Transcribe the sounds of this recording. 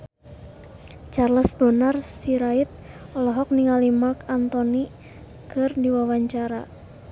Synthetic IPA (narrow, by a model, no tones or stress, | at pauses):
t͡ʃarləsbənarsiɾait̪̚ɔlɔɦɔk̚niŋalimakant̪ɔni | kɨrdiwawaɲt͡ʃaɾa